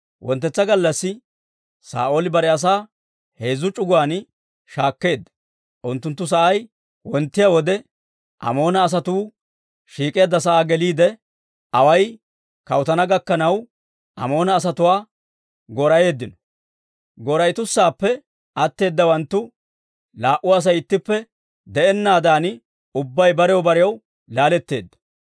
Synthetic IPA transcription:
wʔɔ̰nt̪ːɛt͡sːɐɡɐlːɐsːɪ | sa̰ːʔoːlɪbɐɾɛɐs̬aː | he̞ːzːʊt͡ʃʼʊɡʊwaːn | ʃaːkːe̞ːd̪ːɐ̥ | ʔʊnt̪ːʊnt̪̬ːʊs̬ɐʔɐj | wɔnt̪ːɪjawɔd̪ɛ | ʔɐ̰mo̞ːnɐːs̬ɐt̪uː | ʃiːkʼe̞ːd̪ːɐs̬ɐʔaːɡɛliːd̪ɛ | ʔɐwɐj | kɐwt̪ɐnɐɡɐkːɐnɐw | ʔɐ̰mo̞ːnɐːs̬ɐt̪ʊwaː | ɡoɾɐje̞ːd̪ːɪnɔ̥ | ɡoɾɐjt̪ʊsːaːpːɛ | ɐt̪ːe̞ːd̪ːɐwɐnt̪ːʊ | laːʔʊaːs̬ɐjɪt̪ːɪpːɛ | d̪ɛɛnːaːd̪aːn | ʊbːɐjbɐɾɛjɔbɐɾɪjɐw | laːlɛt̪ːe̞ːd̪ːɐ̥

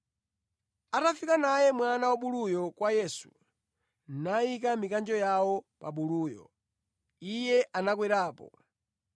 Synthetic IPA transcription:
atafikanajɛmwanawaɓulujɔkwajɛsu | naikamikand͡ʒɔjawɔpa̰ɓuluːjɔ̰ | ijɛʔanakwɛɾaːpɔ̰

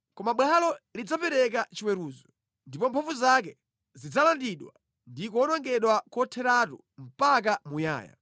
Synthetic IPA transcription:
kɔmaɓwalɔlid͡zapɛɾɛk̬at͡ʃiwɛɾuːzɔ | ndipɔmpʰɔvuzak̬ɛ | zid͡zalandiɗwa̰ | ndikɔnɔŋɡɛɗwakɔtʰɛɾatṵ | m̩pak̬amuja̰ːja̰

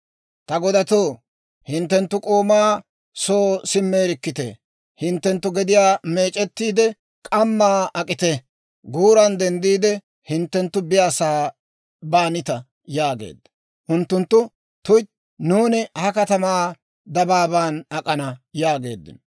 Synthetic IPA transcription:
t̪ɐɡɔd̪ɐt̪oː | hɪnt̪ːɛnt̪ːʊkʼoːmaː | so̞ːsɪmːeːɾɪkːɪt̪ɛ̰ | hɪnt̪ːɛnt̪ːʊɡɛd̪ɪjaːme̞ːt͡ʃʼɛt̪ːiːd̪ɛ | kʼɐmːaːʔɐkʼɪt̪ɛ | ɡuːɾɐnd̪ɛnd̪iːd̪ɛ | hɪnt̪ːɛnt̪ːʊbɪjaːsaː | baːnɪt̪ɐ | jaːɡḛːd̪ːɐ̥ | ʔʊnt̪ːʊnt̪ːʊ | t̪ʊj | nuːnɪhɐkɐt̪ɐmaː | d̪ɐbaːbaːnɐkʼɐnɐjaːɡe̞ːd̪ːɪ̰n

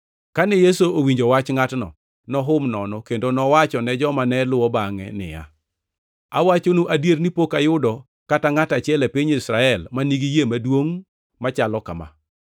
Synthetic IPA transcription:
kanɛjesoowiɲd͡ʒowat͡ʃŋatnɔ̰ | nɔɦʊmnɔnɔkendonɔwat͡ʃɔnɛd͡ʒɔmanɛlʊwɔbaŋɛ̰nɪ̰ja̰ | a̰wat͡ʃonuʔadjeɾnipokajʊdɔ | kataŋatat͡ʃɪɛlɛpiɲisɾaɛlmaniɡijemadwoŋ | mat͡ʃalɔkama̰

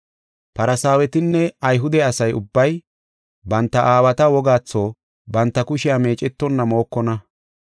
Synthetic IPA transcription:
pɐɾɐsaːwɛt̪ɪnːɛɐjɦʊd̪ɛɐsɐjʊbːɐj | bɐnt̪ːɐʔaːwɐt̪ɐwɔɡaːt͡sːo̞ː | bɐnt̪ːɐkʊʃɪjame̞ːt͡ʃʼɛt̪ːɔnːɐmo̞ːkːɔnɐ

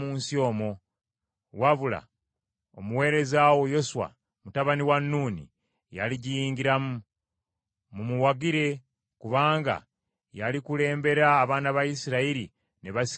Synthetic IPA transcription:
muːnsio̞ːmo̞ | waβula̰ | omuwe̞ːɾe̞zawo̞jo̞swa̰ | mutaβaniwanːuːnḭ | ja̰liɟijiːŋɟiɾamu | mumuwaɡiɾe̞ | kuβaːŋɡa̰ | jalikule̞ːmbe̞ɾaːβaːnaβajisiɾaiɾi | ne̞βasi̥

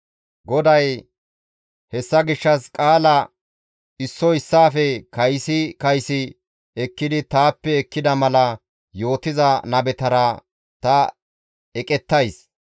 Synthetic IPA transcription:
ɡɔd̪ɐj | hɛsːɐɡɪʃːɐskʼaːlɐ | ɪsːɔɪsːaːfɛkɐjsɪkɐjsɪ | ɛkːɪd̪ɪt̪aːpːɛːkːɪd̪ɐmɐlɐ | jo̞ːt̪ɪzɐnɐbɛt̪ɐɾɐ | t̪ɐ | ɛkʼɛt̪ːɐjs

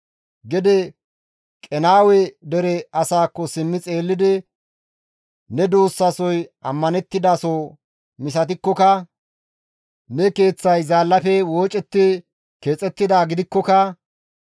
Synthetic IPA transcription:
ɡɛd̪ɛ | kʼɛnaːwɛd̪ɛɾɛɐsaːkːɔsɪmːɪt͡sʼe̞ːlːɪd̪ɪ | nɛd̪oːsːɐsɔjɐmːɐnɛt̪ːɪd̪aːso | mɪs̬ɐt̪̬ɪkːɔkɐ | nɛke̞ːt͡sːɐjzaːlːɐpɛwo̞ːt͡ʃʼɛt̪ːɪ | ke̞ːt͡sʼɛt̪ːɪd̪aːɡɪd̪ɪkːɔkɐ

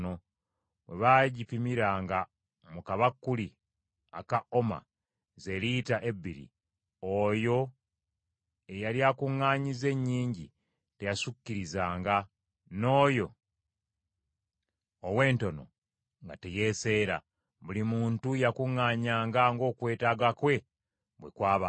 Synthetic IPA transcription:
no | βaːɟipimiɾaːŋɡa | mukaβakːuli | a̰kao̞ma̰ | ze̞litaʔe̞bːiɾḭ | ojo̞ | e̞jaljaːkuŋːaːɲize̞ɲːiːɲɟi | te̞jasucːiɾizaːŋɡa | no̞ːjo | owe̞ːnto̞no̞̰ | ŋɡa̰te̞je̞se̞ːɾa̰ | βulimuːntujakuŋːaːɲaːŋɡaŋɡo̞ːkwe̞ːtaɡakwe̞ | βwe̞̰kwaːβa

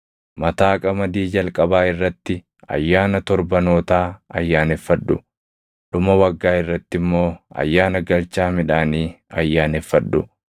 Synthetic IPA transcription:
mɐt̪aːkʼɐmɐd̪iːd͡ʒɐlkʼɐbaːɪrːɐt̪ːɪ | ɐ̰jːaːnɐt̪ɔɾbɐno̞ːt̪aːɐ̰jːaːnɛfːɐᶑːʊ | ᶑʊmɐwɐɡːaːɪrːɐt̪ːɪmːo̞ːɐ̰jːaːnɐɡɐlt͡ʃːaːmɪᶑaːniːɐjːaːnɛfːɐᶑːʊ

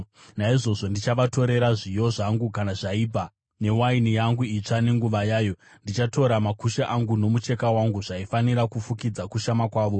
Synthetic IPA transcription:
naiʐo̞ʐo̞ndit͡ʃaʋato̞ɾe̞ɾaʐijo̞ʐaŋɡukanaʐaiːbʱa | ne̞wainijaŋɡuit͡ʂane̞ŋɡuʋajaːjo̞ | ndit͡ʃato̞ɾamakuʃaʔaŋɡuno̞mut͡ʃe̞kawaŋɡuʐaifaniɾakufukid͡zakuʃamakwaːʋo̞

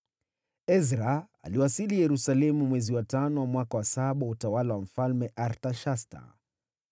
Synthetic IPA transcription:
ɛzɾa | a̰liwasilijɛɾusalɛmumwɛziwatanɔwamwakawasaɓautawalawam̩falmɛʔaɾtaʃasta̰

